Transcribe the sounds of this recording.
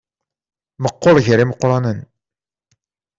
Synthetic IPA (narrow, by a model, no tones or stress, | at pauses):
məqːoɾˤʝəɾiməqːɾˤɑnən